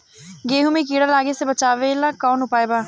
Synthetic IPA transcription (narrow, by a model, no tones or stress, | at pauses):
ɡeːɦumiːk̬iːɽaːlaːɡeseːbət͡ʃaːʋeːlãːkaːnʊpaːebaː